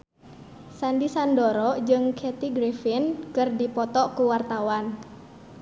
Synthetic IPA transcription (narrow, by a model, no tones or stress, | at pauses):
sandisandɔɾɔd͡ʒɨŋkʰɛt̪iɡɾefinkɨrdipɔt̪ɔkuwart̪awan